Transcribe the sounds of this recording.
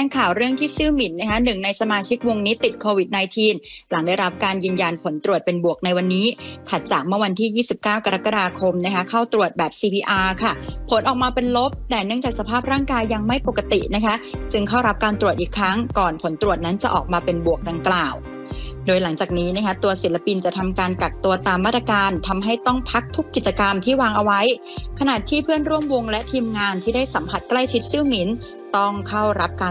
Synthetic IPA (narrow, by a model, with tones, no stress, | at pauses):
ɛː˧ŋkʰaː˨˩wɾɯ˥˩əŋt̪ʰiː˥˩sɯː˥˩mi˨˩˦nːa˦˥kʰa˦˥nɯ˨˩ŋna˧jsa˧maː˧t͡ɕʰi˦˥k̚wo˧ŋniː˦˥t̪i˨˩t̪̚kʰoː˧wi˨˩t̪̚naː˧jt̪ʰiː˧nla˩˦ŋdaː˥˩jɾa˦˥p̚kaː˧njɯː˧nja˧npʰo˩˦nt̪ɾu˨˩ət̪̚pe˧nbu˨˩ək̚na˧jwa˧nːiː˦˥kʰa˨˩t̪̚t͡ɕaː˨˩k̚mɯ˥˩wa˧nt̪ʰiː˥˩jiː˥˩si˨˩p̚kaː˥˩wka˧ɾa˦˥kːa˧daː˧kʰo˧mna˦˥kʰa˦˥kʰa˥˩wt̪ɾu˨˩ət̪̚bɛː˨˩p̚siː˧pʰiː˧ʔaː˧kʰa˥˩pʰo˨˦nʔɔː˨˩k̚maː˧pe˧nlo˦˥p̚d̪ɛː˨˩nɯ˥˩əŋt͡ɕaː˨˩k̚sa˧pʰaː˥˩p̚ɾaː˥˩ŋkaː˧jːa˧ŋma˥˩jpo˨˩kːa˧t̪ḭ˨˩na˦˥kʰa˦˥t͡ɕɯ˧ŋkʰa˥˩wɾa˦˥p̚kaː˧nt̪ɾu˨˩ət̪ʔiː˨˩kʰɾa˦˥ŋkɔː˨˩npʰo˩˦nt̪ɾu˨˩ət̪̚na˦˥nt͡ɕa̰˨˩ʔɔ̰ː˨˩k̚maː˧pe˧nbu˨˩ək̚da˧ŋklaː˨˩w | doː˧jla˨˩˦ŋt͡ɕaː˨˩k̚niː˦˥na˦˥kʰa˦˥t̪u˧ɐsi˨˩˦nla˧pi˧nt͡ɕa˨˩t̪ʰa˧mkaː˧nka˨˩k̚t̪u˧ɐt̪aː˧mːaː˥˩t̪ɾa˧kaː˧nt̪ʰa˧mɦa˥˩jt̪ɔ˥˩ŋpʰa˦˥k̚t̪ʰu˦˥kːi˨˩t̪̚t͡ɕa˧ka˧mt̪ʰiː˥˩waː˧ŋʔa˧wa˦˥j | kʰa˧na˨˩t̪ʰiː˥˩pʰɯ˥˩ənɾu˥˩əmwo˧ŋlɛ˦˥t̪ʰiː˧mŋaː˧nt̪ʰiː˥˩daː˥˩jsa˩˦mpʰa˨˩t̪̚kla˥˩jt͡ɕʰi˦˥t̪̚siː˥˩wmi˩˦n | t̪ɔ˥˩ŋkʰa˥˩wɾa˦˥p̚kaː˧